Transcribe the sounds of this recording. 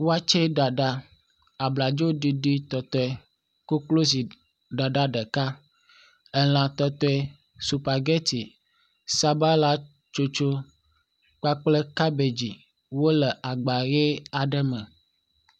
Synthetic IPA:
wo˦a˦t͡ʃe˦ɖa˨ɖa˦ | a˨bla˨d͡ʒo˦ɖi˦ɖi˦t̪ɔ˨t̪ɔ˦ɛ˨ | ko˦klo˦s̬i˨ | ɖa˨ɖa˦ɖə˨ka˦ | ɛ˦l̃ã˨t̪ɔ˦t̪ɔ˦ɛ˨ | su˨pa˨ɡe˦t̪i˨ | sa˦ba˦la˦ | t͡ʃo˦t͡ʃo˦ | k͡pa˦k͡plə˦ka˦be˨d͡ʑi˨ | wo˦lə˨ʔa˨ɡ͡ba˨ɣe˦a˨ɖə˦mə̃˨

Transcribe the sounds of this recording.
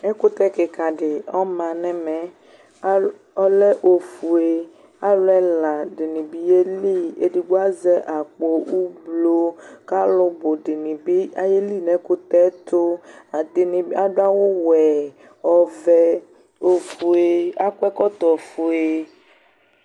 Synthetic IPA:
ɛ˦kʊ˦t̪ɛ˦ke˨ka˨ɖɪ˨ɔ˦mã˨nɛ̃˨mɛ̃˨˦ | ɔ˦lɛ˦ʔo˨fu˨e˨ | a˦lɛ˦la˨ɖe˨nĩ˨bi˦e˦li˦e˦di˨ɡ͡bo˦a˦zɛ˦ʔa˨k͡po˦u˦blo˦ka˦lʊ˦bo˨ɖɪ˨nĩ˨bi˦a˨je˦li˦nɛ̃˨˦kʊ˦t̪ɛ˦t̪o˦a˨d̪e˨nĩ˨ba˦ɖo˦a˦wo˦wɛ˨ | ɔ˨vɛ˦ | o˨fu˨e˦a˦kɛ˦kɔ˦t̪ɔ˨fu˨e˦

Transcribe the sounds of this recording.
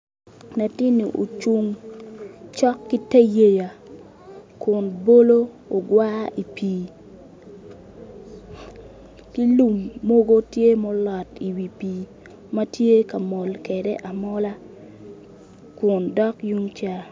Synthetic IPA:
na˨ti˦ni˨ʔo̰˨t͡ʃu˦ŋ | t͡ʃɔ˦kːi˦te˦je˦ja˨ | kʊ˨nbo˦lo˦ | o˨ɡwa˦ʔi˨piː˨ | ki˦lu˨mːo˦ɡo˦tje˦mɔ˦lɔ˨ti˨wi˨piː˨ | ma˦tje˦ka˨mɔ˨lke˨de˦ʔa˨mɔ˦la˦ | kʊ˨ndɔ˦kju˦ŋt͡ʃa˦

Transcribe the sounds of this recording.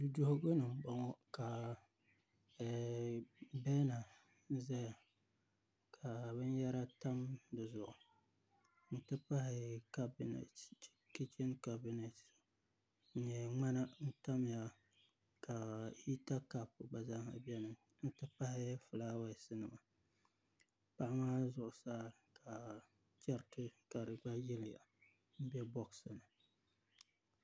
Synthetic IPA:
du˨do˦hʊ˦ɡo˦nɨ˨m˦ɡ͡ba˨ŋɔ˦ka˨ | bɛ˦na˨˦ | za˦ja˨ | kʰa˨bɨ˦nja˦ɾa˦ta˦mdɨ˨zʊ˨ʔʊ˨ | n̩˦tɨ˦pa˦hɪ˨ka˦bn̰˨ | ki˦t͡ʃi˦nka˨bi˦nɛ˨t | n̩˨ɲɛ˨ŋ͡ma˦na˦n̩˦ta˦m˨ja˨ | ka˨i˦ta˦ka˦pʊ˨ɡ͡ba˨za˦ha˨bɛ˦nɨ˨ | n̩˦tɨ˦pa˦hɪ˦fɨ˨laː˦wa˦˨sɨ˦nɨ˨ma˨ | pa˦ʔɪ˦maː˦zʊ˦ʔʊ˨saː˦ | ka˨ | t͡ʃɛ˦ɾtɨ˦ka˨ɾɨ˨ɡ͡ba˦jɛ˦lɪ˨ja̰˨ | m̩˦bɛ˦bɔ˦ksɨ˨nɨ˨

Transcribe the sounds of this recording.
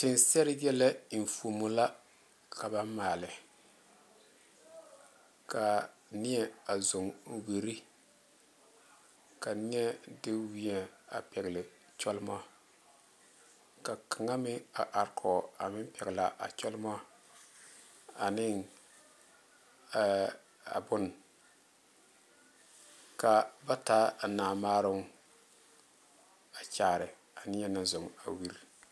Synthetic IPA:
tɪ˨nsɛ˦ɾɪ˦jɛ˦lɛ˦˨n˨fu˨mʊ˨la˦ | kʰa˨ba˦mmaː˨lɪ˨ | ka˨ | nɪ˦ɛ˨a˨zo˨ŋ˨we˨ɾi˦ | ka˨nɪ˦ɛ˦dɪ˦wi˦ɛ˨a̰˨pɛ˨ɡlɪ˨ | t͡ʃɔ˦lɪ˦ma˦ | ka˨kʰa˨ŋa˦mɪ˦a˨ʔa˨ɾkʰɔ˨a˨mɪ˦m˦pɛ˨ɡla˨ʔa̰˨t͡ʃɔ˦lma˦ | a˨nɪ˦ŋ˨˦ | a̰˨bʊ˦n | ka˨ba˦ta˦a˨naː˨maː˦ɾʊ˦ŋ | a˨t͡ʃaː˨ɾɪ˨ | a˨nɪ˦ɛ˦na˦zʊ˨ŋa̰˨wi˦ɾ

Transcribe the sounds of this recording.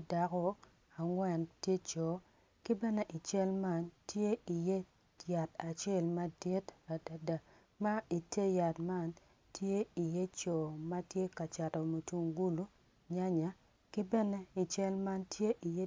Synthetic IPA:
da˦kɔ˦ | a˨ŋwɛ˨ntje˦t͡ʃɔ˨ | kɪ˦bɛ˦nɛ˦ʔi˨t͡ʃɛ˦lma˦ntje˦i˨je˦ | ja˨ta˨t͡ʃɛ˦˨lma˦di˦ta˨da˦da˨ | ma˦i˨te˦ja˨tma˦n | tje˦i˨je˦t͡ʃɔ˨ma˦tje˦ka˨t͡ʃa˨tɔ˨mo˨tu˨ŋɡu˦lu˦ | ɲa˦ɲa˨ | kɪ˦bɛ˦nɛ˦i˨t͡ʃɛ˦lma˦ntʰje˦ʔi˨je˦

